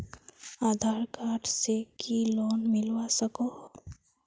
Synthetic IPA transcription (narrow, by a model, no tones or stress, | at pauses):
aːd̪ʱaːɾkaːʈʰsekʰiloːnmɪlwasəkoː